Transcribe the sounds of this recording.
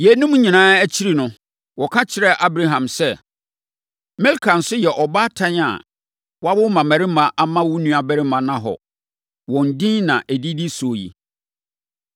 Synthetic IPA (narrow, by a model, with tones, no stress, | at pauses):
jɛ˨nũ˦m˦ɲĩ˨nãː˦æ˦t͡ɕʰi˦ɾi˨nʊ̃˨ | wɔ˨kʰa˦t͡ɕʰɪ˨ɾɛ˦ʔa˦bɾa˦ɦã˨msɛ˦ | mɛ˦lkʰã˨n̩˨sʊ˦jɛ˨ʔɔ˨ba˦tʰã˦ɲa̰˨ | wa˦bʊ˦mã˨mæ˨ɾɪ˦mã˨ʔa˦mã˦wu˦nũ˦a˨bæ˦ɾɪ˦mã˨nã˨ɦɔ̰˨ | wɔ̃˨n̩˨dĩ˦nã˨ʔæ˨di˦di˦so˨jḭ˨